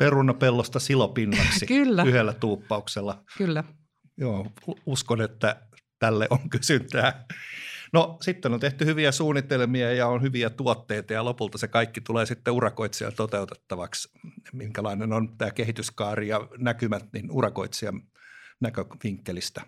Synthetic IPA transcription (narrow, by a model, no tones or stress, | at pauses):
perunːˑɑpelːost̪ɑsilopinːɑksikylːæyhelːæt̪uːpːɑukselːɑkylːæ | joːuskonet̪ːæ | t̪ælːeʔoŋkysynt̪æː | nosit̪ːenont̪eht̪yhyʋiæsuːnːˑit̪elmiɑjɑonhyʋiæt̪uot̪ːeit̪ɑjɑlopult̪ɑsekɑikːit̪uleːsit̪ːeurɑkoit̪siɑ̰lt̪ot̪eut̪e̥t̪ːɑʋɑksmiŋkælɑinenont̪æːkehit̪yskɑːrijɑnækymæt̪ninurɑko̰it̪siɑ | nækøʋiŋkːelist̪æ